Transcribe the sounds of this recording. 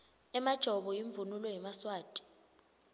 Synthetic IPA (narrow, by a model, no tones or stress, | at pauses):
ɛmad̥ʒ̥ʱɔɓɔjiɱvunulɔjimaswaːtʼi̥